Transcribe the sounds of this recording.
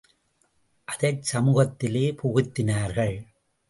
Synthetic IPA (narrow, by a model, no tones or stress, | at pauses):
ʔɐðɐɪsɐmuːɣɐt̪ːɪleːpʊɣʊt̪ːɪnaːɾɣɐɭ